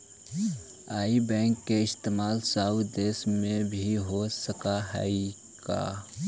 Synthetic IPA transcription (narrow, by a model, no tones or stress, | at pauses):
aːibɛ̃ːŋkːeɪst̪eːmaːlsaːwd̪eːsmẽbʱiɦosəkaɦə̰i | ɡ̥a̰ː